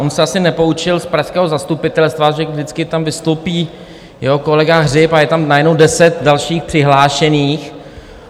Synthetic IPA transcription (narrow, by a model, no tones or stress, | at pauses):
ʔonsɛasɪnɛpo̞ut͡ʃɪlspɾaxskɛːɦozast̪upɪt̪ɛlst̪vaʒɛvdɪt͡skɪt̪amvɪst̪owpiː | jɛɦokolɛɡaɦrɪpajɛt̪amnajɛdnowdɛsɛt̪̚dalʃiːxpr̝̥ɪɦlaːʃɛniːx